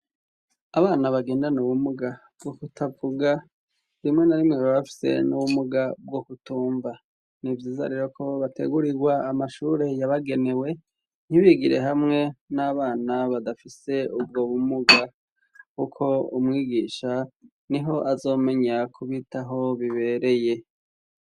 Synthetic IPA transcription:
aβaːnaβaɡe̞ːndanuβumuɡa | bɡokutʰavuɡa | ɾimŋe̞naɾimŋeaβafi̥se̞̰nuβumuɡabɡo̞kutuːɱva | nivjiːza̰ɾe̞ɾo̞kʰo̞βatʰe̞̰ɡuɾiɡwaːmaʃuɾe̞jaβaɡe̞ne̞we̞ | n̥hiβiɡiɾe̞̰ɦamŋe̞naβaːnaβadafise̞ubɡo̞βumuɡa | kukʰo̞umŋiːɡiːʃa | niɦo̞ʔazo̞ːme̞ɲakʰuβitaɦo̞βiβe̞ɾe̞je̞

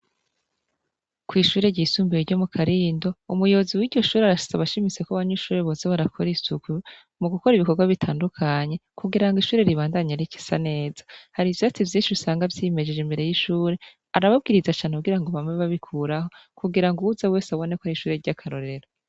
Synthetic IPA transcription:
kwiːʃuːɾe̞ɾɟisuːmbijiɾɟo̞mukʰaɾiːndo̞umujo̞ːziwiːɟɟo̞ʃuːɾeaɾaʃi̥zaβaʃimit͡se̞koβaɲuʃuːɾe̞βozaβaɾakʰoɾisuku | muɡuko̞ɾiβiko̞ɾɡwaβitʰaːndukʰaɲe̞kuɡiɾaŋɡiʃuːɾe̞ɾiβaːndaɲaɾici̥sane̞ːz̥ḁhaɾiviat͡sivjiːnʃiɾusaːŋɡavjime̞d͡ʒed͡ʒembe̞ɾe̞jiʃuːɾe̞ | aɾaβab̚ɡiːɾizat͡ʃaːneuɡiɾaŋɡo̞βamŋe̞βaβikʰuːɾaho̞kuɡiɾaŋɡuuzawe̞ːsaβo̞ne̞koɾiʃuːɾe̞ɾɟakʰaɾo̞ɾe̞ɾo

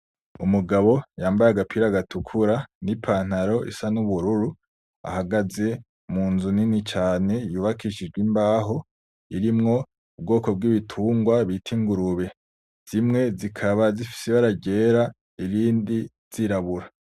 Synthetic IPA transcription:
umuɡaβo̞jaːmbajaɡapʰiɾaɡatukʰuɾanipʰaːn̥haɾo̞ḭsanuβuɾuɾu | a̰haɡaze̞ | muːnzuninit͡ʃaːne̞juːβakʰiʃid͡ʒɡwimbaːɦo̞ | iɾimŋo̞ | ub̚ɡo̞ːko̞b̚ɡiβitʰuːŋɡwaβitʰiŋɡuɾuβe̞ | z̥imŋe̞zikʰaβazifi̥seβaɾaɟe̞ːɾa | iɾiːndi | z̥iɾaβuɾa

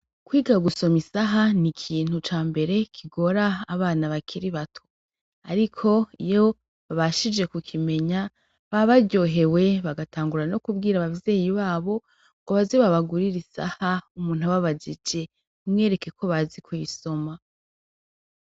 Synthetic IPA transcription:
kwiːɡaɡuso̞misaɦanikʰiːn̥ut͡ʃaːmbe̞ɾe̞kʰiɡo̞ɾaːβaːnaβakʰiɾiβatʰo̥ | aɾikʰo̞ijo̞ | βaβaʃid͡ʒe̞kukʰime̞ɲa | βaβaɟo̞ɦe̞we̞βaɡatʰaːŋɡuɾano̞kubɡiːɾaβavje̞ːjiβaːβo̞ | ɡoβaziβaβaɡuɾiɾisa̰haumuːn̥huβaβad͡ʒid͡ʒe̞ | umŋe̞ːɾe̞ke̞kʰo̞βazikwiso̞ma

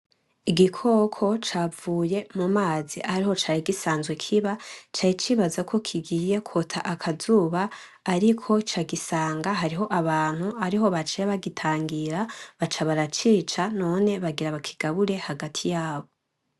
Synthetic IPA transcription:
iɡikʰo̞kʰo̞t͡ʃavuːje̞mumaːziʔahaɾiho̞t͡ʃaːɾiɡisaːnzɡwekʰiβat͡ʃaːjit͡ʃiβazakʰo̞kʰiɡije̞kʰotʰaʔakʰazuːβaː | ɾikʰo̞t͡ʃaɡisaːŋɡaɦaɾiɦo̞ʔaβaːn̥huaɾiɦo̞βat͡ʃeβaɡitʰaːŋɡiɾaβat͡ʃaβaɾat͡ʃiːt͡ʃano̞ːne̞βaɡiɾaβakʰi̥ɡ̥aβuɾe̞haɡatʰijaːβo̞

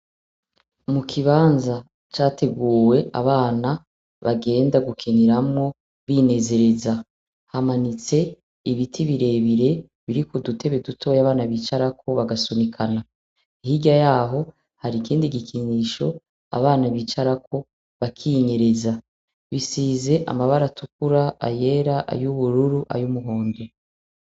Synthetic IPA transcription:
mukʰiβaːnza | t͡ʃaːtʰe̞ɡuːwe̞ʔa̰βaːna | βaɡe̞ːndaɡukʰeniɾamŋo̞ | βine̞ze̞ɾe̞za | hamanit͡se̞ | iβitʰiβiɾe̞ːβiɾe̞ | βiɾikodutʰe̞βe̞dutʰo̞ːjaβaːnaβiːt͡ʃaɾakʰo̞βaɡasunikʰana | ihiɟajaːɦo̞ | haɾikiːndiɡikʰiɲiːʃo̞ | a̰βaːnaβiːt͡ʃaɾak̚ʰo̞ | βakʰiɲe̞ɾe̞za | βisiːze̞ʔa̰maβaɾatʰuk̚uɾaa̰je̞ɾaʔa̰juβuɾuɾuʔa̰jumuɦo̞ːnde

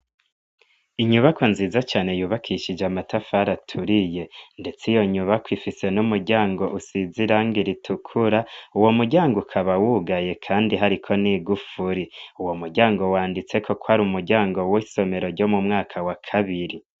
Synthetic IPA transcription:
iɲuβako̞nziːzat͡ʃaːne̞juːβakʰiʃid͡ʒeamatʰafaɾatʰuɾije̞nde̞t͡sijo̞ɲuβakwifise̞numuɾɟaːŋɡo̞ʔusiziɾaŋɡiɾitʰukʰuɾauwo̞muɾɟaːŋɡokʰaβawuɡaje̞kʰaːndiɦaɾikʰo̞niɡufuɾiuwomuɾɟaːŋɡo̞waːndit͡se̞kʰo̞kohaɾumuɾɟaːŋɡo̞wiso̞me̞ɾo̞ɾɟo̞mumŋaːkʰawakʰaβiɾi

